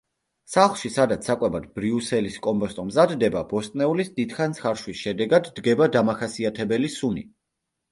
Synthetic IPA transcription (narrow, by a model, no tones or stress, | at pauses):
saχlˠʃisad̪at̪sʰakʼwɛbad̪̚bɾiusɛliskʼɔmpʼɔst̪ʼɔmzad̪ːɛbabɔst̪ʼnɛulisd̪id̪χant̪sʰχaɾʃwisʃɛd̪ɛɡad̪ːɡɛbad̪amaχasiat̪ʰɛbɛlisuni